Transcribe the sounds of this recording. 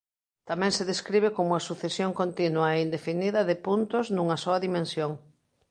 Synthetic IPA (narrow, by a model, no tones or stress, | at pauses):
t̪amɛ̃ŋseðeskɾiβ̞ekomuasuθesjoŋkont̪inwɐeind̪efiniðɐðepunt̪ʊznuŋɐsɔɐðimẽnsjoŋ